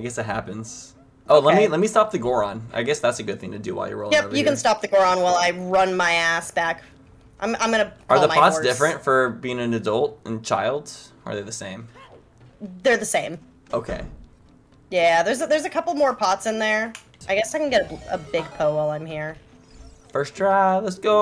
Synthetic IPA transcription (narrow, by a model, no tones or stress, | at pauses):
aɪɡɛsɨt̚ɦæpɨ̃nz̥ | ʔoʊlɛt̚milɛt̚mistɑp̚ðɨɡɔɹə̃na̰ɪɡɛsðætsɨɡʊd̪̚θɪ̃ŋtʰɨdɨ̰waɪlˠjə̰˞wˠjɛjɨkɨ̃nstɑp̚ðɨɡɔɹə̃nwaɪlˠaɪɹʌ̃nmaɪæsb̥æk | ʔãɪ̃mã̰ɪ̃mɨ̃nɨə˞ðəaɪɑtssd̥ɪfɹɨ̃ntfə˞biɪ̃ŋɨ̃nɨdʌlˠt̚ɨ̃nt͡ʃʰa̰ɪlˠd̥ə̰˞ðeðɨsẽɪ̃m | ðə˞ðɨsẽɪ̃m | oʊkʰeɪ | jæðə˞zðə˞zɨkʰʌpl̩ˠmɔɹpʰɑtsɨ̃nðə˞ | aɪɡɛsaɪkɨ̃nɡɛɾəə̰bɪɡ̚pʰoʊolˠãɪ̃mhiɹ | fɜ˞sdɹalətsɡ̥oʊ